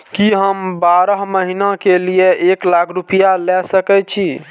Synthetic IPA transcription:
kiɦəmbaɾəɦməɦinakelieeklakʰɾupijalɛsəkɛt͡ʃʰi

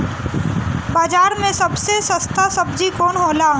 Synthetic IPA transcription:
baːd͡ʒaːɾmẽsɐbsesəst̪ʰasɐbd͡ʒikoːnɦoːla

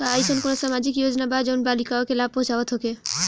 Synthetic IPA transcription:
aajsonkonosamad͡ʒikjod͡ʒnabad͡ʒonbalikaokelab̚põt͡ʃaoat̪ʰoke

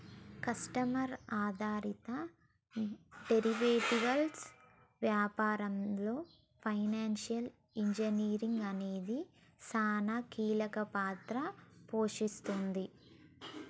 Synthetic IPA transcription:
kɐsʈɐmɐɾaːd̪ʱaːɾit̪ɐ | ɖeɾiʋeːʈiʋɐls | ʋjaːpaːɾɐmlo̞ː | pʰɐjnaːnʂijɐl | iɲd͡ʒɐniːɾiŋɡɐne̞ːd̪i | saːnaːkiːlɐkɐpaːt̪ɾɐpo̞ːʂist̪und̪i

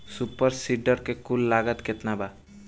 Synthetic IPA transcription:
supəɾsiɖəɾkekulːaɡət̪ket̪naba

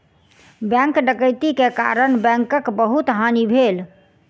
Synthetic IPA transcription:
bɛ̃ŋkɖəkəjt̪ikeka̰ɾəɳbɛ̃ŋkəkbəɦut̪ɦanibʱel

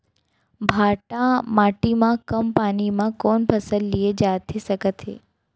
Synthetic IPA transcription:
bʱaːʈãmaːʈimãkɐmpaːnimãkɔːnpʰɐsəlːied͡ʒaːt̪ʰisəkət̪ʰɦḛː

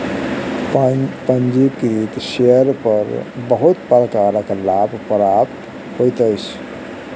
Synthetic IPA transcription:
pənd͡ʒibkɾit̪ʃeəɾpəɾbəɦʊt̪pəɾəkaːɾəklaːbʱpəɾap | hojt̪əjt͡ʃʰ

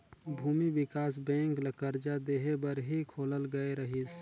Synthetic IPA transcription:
bʱuːmibɪkaːs̬bɛ̃ːŋkləkəɾd͡ʒad̪eːɦebəɾɦikʰoːləlɡəeɾəɦis

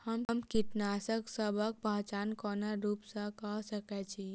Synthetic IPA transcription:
həmmkiʈnasəksəbʱək̚pat͡ʃankɔnaɾuːpsə̃kɔɦsəkɛt͡ʃʰi

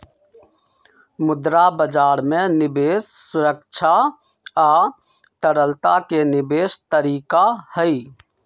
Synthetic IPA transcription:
mʊd̪ɾabəd͡ʒaːɾmẽnɪbeːsːʊɾəkt͡ʃʰa | aː | t̪əɽəlt̪akenɪbeːst̪əɾiːkahəi

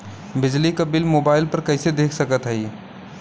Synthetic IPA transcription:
bɪd͡ʒlikɐbɪlmoːbaːɪlpɐɾkɐɪsed̪eːkʰsəkət̪ɦɛi

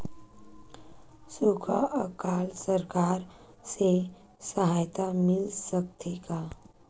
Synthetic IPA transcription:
sukʰa̰əkaːlsəɾkaːɾ | se | səɦaːjt̪amɪlsək̚t̪ʰeɡaː

